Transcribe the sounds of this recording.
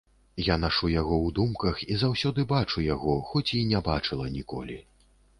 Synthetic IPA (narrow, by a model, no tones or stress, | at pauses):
janaʂujaɣɔwd̪umkɐxizawsʲɔd̪ɨbat͡ʂujaɣɔxɔt͡sʲinʲɛbat͡ʂɨlˠɐnʲikɔ̰lʲi